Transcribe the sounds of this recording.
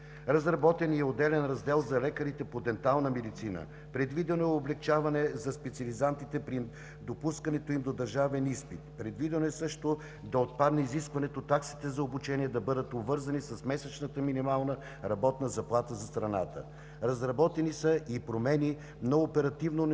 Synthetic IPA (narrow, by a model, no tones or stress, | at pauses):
ɾɐzɾɐbɔt̪ɛniɛod̪ɛlɛnɾɐzd̪ɛlˠzɐlɛkəɾit̪ɛpod̪ɛnt̪alˠnəmɛd̪it̪sinə̰ | pɾɛd̪vid̪ɛnoɛoblɛk̚t͡ʃavɐnɛzɐspɛt̪siɐlizant̪it̪ɛpɾi | d̪opuskɐnɛt̪oimd̪od̪ɐɾʒavɛnispit̪pɾɛd̪vid̪ɛnoɛsɤʃt̪o | d̪ɐot̪̚pad̪nɛiziskvɐnɛt̪ot̪ːaksi̥t̪ɛzɐobut͡ʃɛniɛd̪ɐbɤd̪ət̪obvɤɾzɐnisɐsmɛsɛt͡ʃnət̪əminimalˠnə | ɾɐbɔt̪nəzɐplˠat̪əzɐst̪ɾɐna̰t̪ə̰ | ɾɐzɾɐbɔt̪ɛnisəʔipɾomɛni | noopɛɾɐt̪ivnon